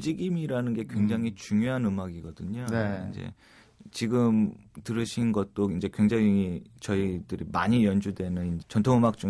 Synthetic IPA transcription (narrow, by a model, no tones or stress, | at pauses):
ud͡ʑiɡimiɾanɯnɡe̞kwe̞ŋd͡ʑaŋit͡ɕuŋjoɦanɯmaɡiɡʌdɯɲonind͡ʑe̞̰ | t͡ɕiɡɯmtɯɾɯɕʰinɡʌt̚t͈oind͡ʑe̞kwe̞ŋd͡ʑaŋit͡ɕʌidɯɾimaɲijʌnd͡ʑudwe̞nɯnind͡ʑet͡ɕʌntʰoŋɯmak̚t͡ɕ͈u